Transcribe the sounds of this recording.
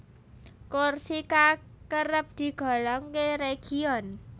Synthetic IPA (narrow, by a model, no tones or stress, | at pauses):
korsika | kəɾəp̚d̪̥i̤ɡ̥ɔ̤lɔŋkeɾeɡ̥iɔn